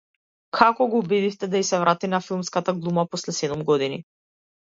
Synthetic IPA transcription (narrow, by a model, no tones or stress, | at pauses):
kʰakɔɡɔubid̪ift̪ɛd̪aisɛvɾʔat̪inafilˠmskat̪aɡlˠumapɔslɛsɛd̪umɡɔd̪ini